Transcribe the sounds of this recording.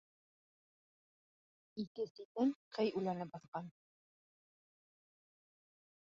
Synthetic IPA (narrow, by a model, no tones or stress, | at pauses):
ikɘsit̪ɘŋqʰɘjʉlænɘp̚bɑθqɑn